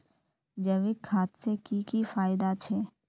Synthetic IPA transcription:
d͡ʒəʋɪkʰːaːt̪sekikifaːɪd̪at͡ʃʰɛː

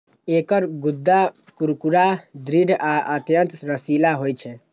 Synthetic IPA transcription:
ekəɾɡud̪ʱːa | kuɾkuɾad̪ɾiɖaʔət̪jənt̪ɾəsilaɦojt͡ʃʰɛ

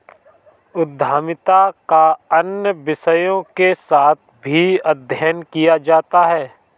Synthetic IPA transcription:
ʊd̪ʱːaːmɪt̪akaənjəʋɪsəjõkesaːt̪̚ʰbʱiəd̪ʱjəɦənkijad͡ʒaːt̪aɦɛː

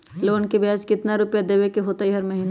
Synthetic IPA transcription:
loːnkebaːskɪt̪naɾʊpjad̪eːʋekeɦoːt̪aiɦɐɾmɐɦiːn

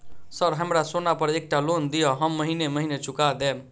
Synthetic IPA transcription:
səɾɦəmɾasonapəɾek̚ʈalond̪ijəɦəmːəɦineməɦinet͡ʃʰukad̪em

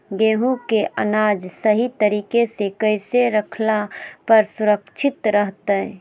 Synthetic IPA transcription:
ɡeːɦũkeʔənaːd͡ʒsəɦit̪əɾiːkesekəɪseɾəkʰlapɐɾsʊɾəkt͡ʃʰɪt̪ɾəɦt̪ɛ

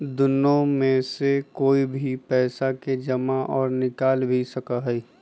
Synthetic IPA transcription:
d̪ʊnːõmẽsekoːibʱipɛːsaked͡ʒɐmaʔɔːɾnɪkaːlbʱisɐkaɦɛi

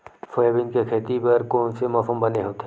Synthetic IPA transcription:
fojebɪnkekʰeːt̪ipɐɾkoːnsemaːfəmbɐneɦoːt̪eɦ

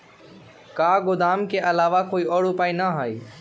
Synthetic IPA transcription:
kaːɡʊd̪aːmkeʔəlaːʋakoːiːɔːɽopaːinaɦaːḭː

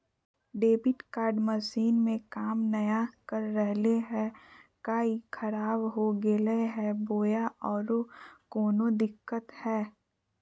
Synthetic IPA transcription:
ɖeːbɪʈkaːɾɖməʃiːnmẽkaːmnɐjakɐɾːɛɦleɦɛkaːikʰɐɾaːbɦoɡeleɦɛboːjaʔɔːɾokoːnod̪ɪkːət̪hɛː

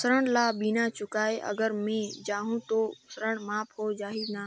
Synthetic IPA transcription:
səɾəɳ̃laːɓinãːt͡ʃʊkaːeʔə̰ɡəɾmẽd͡ʒaːɦũt̪oːsəɾəɳ̃maːpʰɦoːd͡ʒaːɦiznaː

